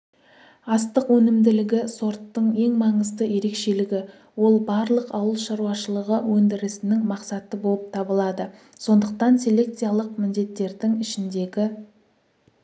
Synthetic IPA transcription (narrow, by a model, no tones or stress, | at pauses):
ɑst̪əqwɵnɪmd̪ɪlɪɡʲɪso̞ɾt̪ːəɴe̞ŋmɑɴəzd̪əje̞ɾe̞kʃe̞lɪɡʲɪ | wo̞lˠbɑɾlˠəqɑwəlˠʃɑɾuɑʃəlˠəʁəwɵnd̪ɪɾɪsɪnɪŋmɑqsɑt̪əbo̞lˠəp̚t̪ʰɑbəlˠɑd̪ə | so̞nd̪əq̚t̪ɑnsʲe̞le̞k̚t̪sijalˠəq̚mɪnd̪e̞t̪ːe̞ɾd̪ɪŋɪʃɪnd̪e̞ɡʲɪ